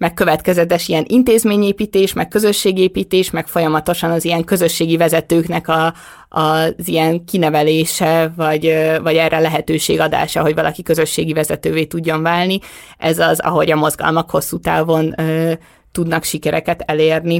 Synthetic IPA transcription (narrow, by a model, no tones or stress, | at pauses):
mɛk̚køvɛt̪kɛzɛt̪ɛʃijɛnʔint̪eːzmeːɲeːpiːt̪eːʃmɛk̚kø̞zø̞ʃːeːɡeːpiːt̪eːʃmɛkfo̞jɒmɒt̪o̞ʃɒnɒzijɛŋkø̞zø̞ʃːeːɡivɛzɛt̪øːknɛkɒː | zijɛŋkinɛvɛleːʃɛvɒɟvɒɟɛrɛlɛɦɛt̪øːʃeːɡɒd̪a̰ːʃɒɦo̞ɟvɒlʔɒkikø̞zø̞ʃːeːɡivɛzɛt̪øːveːt̪uɟːo̞ɱvaːlni | ʔɛzɒzɒ̰ɦo̞ɟɒmo̞zɡɒ̰lmɒkho̞sːuːt̪a̰ːvo̞nøː | t̪ud̪nɒkʃikɛɾɛkɛt̪ɛleːrni